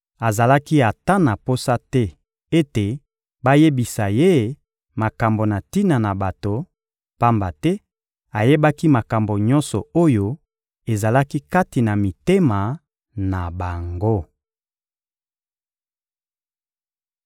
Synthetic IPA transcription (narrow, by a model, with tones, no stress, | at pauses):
a˨za˨la˦ki˦a˨ta˦na˨po˦sa˦tɛ˦ | e˦te˨ | ba˦je˦bi˨sa˨je˦ | ma˨ka˨mbo˨na˨ti˦na˨na˨ba˨to˨ | pa˦mba˨tɛ˦ | a˨je˦ba˦ki˦ma˨ka˨mbo˨ɲɔ̃˦nsɔ˨o˦jo˦ | e˨za˨la˦ki˦ka˦ti˨na˨mi˨te˦ma˨ | na˨ba˨ŋɡo˦